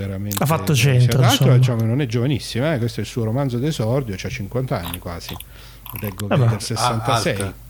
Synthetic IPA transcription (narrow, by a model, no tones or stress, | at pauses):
eɾamenafːat̪ːot͡ʃenɾaɾod̪it͡ʃaːmokenonɛd͡ʒːovanisːimaɛkwest̪oɛilsuːoɾomanzod̪ezɔrd̪jot͡ʃat͡ʃːiŋkwant̪anːikwa̰ːz̥i | lɛɡːokd̪elseːant̪aslsɛj